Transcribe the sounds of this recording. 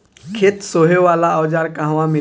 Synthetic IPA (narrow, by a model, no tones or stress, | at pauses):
kʰet̪soːɦeʋaːlaɔːd͡ʒaːɾkaɦʋãmɪ